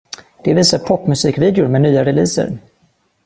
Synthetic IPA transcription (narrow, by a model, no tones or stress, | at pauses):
d̪̥ɛviːsaɾpʰɔpːmɵsiːkviːd̪jʊɾmɛnyːaɾɛliːsə̰ɾ